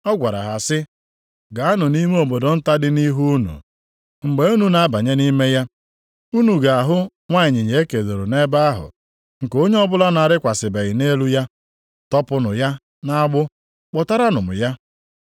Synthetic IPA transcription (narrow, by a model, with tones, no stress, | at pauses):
ɔ˦ɡʷa˨ɾa̰˨ɦa˨sɪ˦ | ɡa˨a˦nʊ˨ni˦me˦o˨bo˨do˨n̩˦ta˦dɪ˦ni˦ɦu˦nṵ˨ | ŋ͡m̩˨ɡ͡be˦u˦nu˨na˨a˦ba˨ɲe˦ni˦me˦ja˦ | u˦nu˨ɡa˨a˨ɦʊ˦ | ŋʷa˦ɪ˨ɲɪ˨ɲe˨e˦ke˨do˨ɾo˨ne˦ba˦a˦ɦʊ̰˨ | ŋ̩˨ko˦ɲe˦ɔ˦bʊ˦la˦na˨ɾɪ˦kʷa˨sɪ˨be˨ɣɪ˨ne˦lu˦ja˦ | tɔ˦pʊ˦nʊ˨ja˦ | na˦ɡ͡bʊ˦ | k͡pɔ˨ta˦ɾa˦nʊ˨mʊ̰˨ja˦